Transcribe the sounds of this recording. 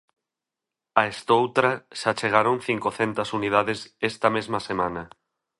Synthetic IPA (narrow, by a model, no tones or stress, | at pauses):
aest̪owt̪ɾaʃat͡ʃeɣ̞aɾõŋ̟θiŋkoθent̪asunið̞aðesest̪amezmasemãna